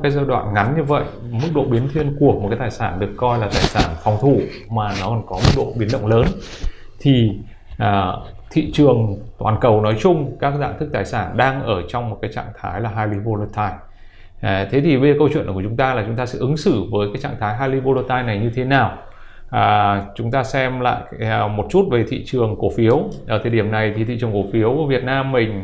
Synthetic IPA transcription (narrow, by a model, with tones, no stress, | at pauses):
kaː˨˦jzəː˧ɗwa̰ː˧˨nŋa˨˦nɲɨ˧və̰˧˨j | mɨ˦˥k̚ɗo̰˧˨ɓi˨˦ənt̪ʰwi˧ənku˨˩ək̚m̚˨˩kaː˨˦jt̪aː˨˩jsaː˧˩nɗɨ˨˩əkːɔ˧jlaː˨˩t̪aː˨˩jsaː˧˩nfɔ˨˧wŋ͡mt̪ʰu˧˩ | maː˨˩nɔ˨˦kɔ˧˩nkɔ˨˦mɨ˦˥k̚ɗo̰˧˨ɓi˨˦nɗə̰˧˨wŋ͡mləː˨˦n | t̪ʰi˨˩ | ʔəː˨˩t̪ʰḭ˧˨t͡ɕɨ˨˩əŋt̪wa̰ː˨˩nkə˨˩wnɔ˨˦jt͡ɕʊ˧ŋ͡mkaː˦˥k̚za̰ː˧˨nt̪ʰɨ˦˥k̚t̪aː˨˩jsaː˧˩nɗaː˧ŋʔəː˧˩t͡ɕɔ˧wŋ͡mmo˨˩t̚kaː˨˦jt͡ɕa̰ː˧˨ŋt̪ʰa̰ː˨˦jlaː˨˩ɦaː˧jli˧vo˧lo˧t̪ʰaː˧j | t̪ʰe˨˦t̪ʰi˨˩ɓe˧˨kə˧wt͡ɕwḭ˧˨nʔku˧˩˨t͡ɕʊ˨˦ŋ͡mt̪aː˧laː˨˩t͡ɕʊ˨˦ŋ͡mt̪aː˧sɛɨ̰˧˥ʔɨ˨˦ŋsɨ˧˩vəː˨˦jkaː˨˦jt͡ɕa̰ː˧˨ŋt̪ʰaː˨˦jɦaː˧jli˧vo˧lo˧t̚t̪aː˧jna˨˩jɲɨ˧t̪ʰe˨˦naː˨˩w | əː˨˩t͡ɕʊ˨˦ŋ͡mt̪aː˧sɛ˧mla̰ː˧˨jmo˨˩t̚t͡ɕu˦˥t̚ve˨˩t̪ʰḭ˧˨t͡ɕɨ˨˩əŋko˧˩˦fi˨˦əwʔəː˧˩t̪ʰəː˨˩jɗi˧˩əmna˨˩jt̪ʰi˨˩ḭ˧˨t͡ɕɨ˨˩ə˩ŋko˨˩fi˨˦əwvi˨˩ət̚naː˧mːï˨˩ŋ̟